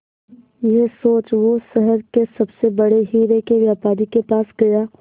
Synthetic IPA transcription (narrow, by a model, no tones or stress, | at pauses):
jɛsoːt͡ʃʋosɐɦəɾkesɐbsebɐɽeɦiːɾekeʋjaːpaːɾikepaːsɡɐjaː